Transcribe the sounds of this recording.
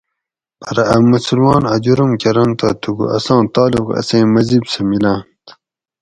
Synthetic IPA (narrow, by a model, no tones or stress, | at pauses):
pɐɾɐɐmɐsulmɑːnɐd͡ʑuɾumkeɾɐnt̪a̰t̪ʰuɡṵʔɐ̰sɑ̃ːt̪ɑːluqɐ̰sẽːmɐzibsɐmilãːnt̪